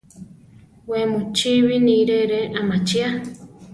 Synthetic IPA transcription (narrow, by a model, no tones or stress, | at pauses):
wemut͡ʃiβiniɾeɾeʔamat͡ʃia